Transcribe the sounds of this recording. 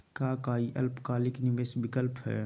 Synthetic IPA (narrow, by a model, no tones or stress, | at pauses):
kaːkaːiʔɐlpkaːlɪknɪʋesbɪkəlpɦɛ̰ː